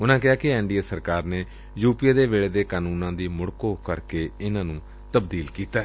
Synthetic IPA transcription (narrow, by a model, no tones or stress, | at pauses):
ʊnãːkɪaːkɪɛːɳɖiːeːsəɾkaːɾneː | juːpiaːd̪eːʋeːɭeːd̪eːkaːnũːnãːd̪iːmʊɽkoːkəɾkeːɪnãːnũː | t̪əbd̪iːlkiːt̪aː